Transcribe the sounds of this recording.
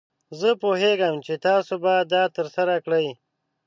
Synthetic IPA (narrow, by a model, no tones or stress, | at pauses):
zəpoɦeɡəmt͡ʃet̪ɑːsobad̪̚ɑt̪əɾsaɾakɽəj